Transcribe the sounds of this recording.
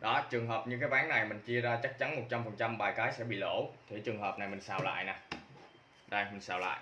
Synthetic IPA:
ɗɔ˨˦t͡ɕɨ˨˩əŋɦəː˨˩p̚ɲɨ˧k̬aː˨˦jɓaː˨˦ŋna˨˩jmï˨˩ŋ̟t͡ɕi˧əzaː˧t͡ɕa˦˥k̚t͡ɕa˨˦nmo˨˩t̚t͡ɕa˧mfə˨˩nt͡ɕa˧mɓaː˨˩jkaː˨˦jsɛ̰˧˥ɓḭ˧˨lo̰˧˩t̪ʰi˨˧˩t͡ɕɨ˨˩əŋɦəː˨˩p̚na˨˩jmï˨˩ŋ̟saː˧˩wla̰ː˧˨jnaː˨˩ | ɗə˧jmi˨˩ŋsa̰ː˧˩wla̰ː˧˨j

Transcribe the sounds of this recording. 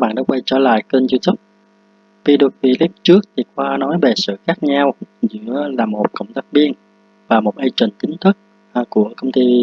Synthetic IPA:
ɓa̰ː˧˨nɗa̰ː˧˥wə˧jt͡ɕɔ̰ː˧˩la̰ː˧˨jkə˧nzu˧t̪ə˦˥p̚ | fi˧ɗɨ˨˩k̚fi˧li˦˥p̚t͡ɕɨ˦˥ək̚t̪ʰi˨˩xwaː˧nɔ˨˦jve˨˩sɨ̰˧˨xaː˦˥k̚ɲa˧wzɨ̰˧˥əlaː˨˩mo˨˩t̚kə̰˧˩wŋ͡mt̪aː˦˥k̚ɓi˧ən | vaː˨˩mo˨˩t̚ʔə˧jt͡ɕə˨˩ŋ̟t̪ï˨˦ŋ̟t̪ʰɨ˦˥k̚ | ku˧˩əkə˧wŋ͡mt̪i˧

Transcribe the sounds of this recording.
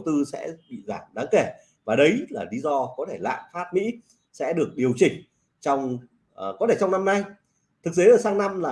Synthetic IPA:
wt̪ɨ˧sɛ̰˧˥ɓḭ˧˨zaː˧˩mɗaː˨˦ŋke˧˩ | vaː˨˩ɗə˨˦jlaː˨˩li˨˧˦zɔ˧kɔ˨˦t̪ʰe˧˩la̰ː˧˨nfaː˦˥t̚mḭ˧˥ | sɛ̰˧˥ɗɨ˨˩ək̚ɗi˨˩əwt͡ɕï˨˩ŋ̟ | t͡ɕɔ˧wŋ͡m | kɔ˨˦t̪ʰe˧˩t͡ɕɔ˧wŋ͡mna˧mna˧j | t̪ʰɨ˨˩k̚t̪e˨˦ʔəː˨˩saː˧ŋna˧mlaː˨˩

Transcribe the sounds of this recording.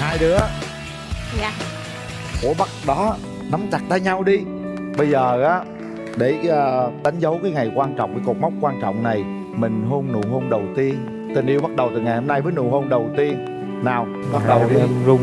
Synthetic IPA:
haː˧jɗɨ˨˦ə˧˨ | ku˧˩əɓa˦˥k̚ɗɔ˨˦ | na˨˦mt͡ɕa˨˩k̚t̪aː˧jɲa˧wɗi˧ | ɓə˧jzəː˨˩ʔaː˨˦ | ɗe˧˩əː˨˩ɗ̪a˨˦ŋ̟zə˨˦wkaː˨˦jŋa˨˩jkwaː˧nt͡ɕɔ̰˧˨wŋ͡mɗi˨˩ku˨˩t̚m˦˥wk͡p̚kwaː˧nt͡ɕɔ̰˧˨wŋ͡mna˨˩j | mï˨˩ŋ̟ɦo˧nnṵ˧˩ɦo˧nɗə˨˩wt̪i˧ən | t̪ï˨˩ŋ̟ʔi˧əwɓa˦˥t̚ɗə˨˩wt̪ɨ˨˩ŋa˨˩jho˧mna˧jvəː˨˦jnṵ˧˨˩ho˧nɗə˨˩wt̪i˧ənː | aː˨˩w | ɓa˦˥t̚ɗə˨˩˨ʊ˧ŋ͡m

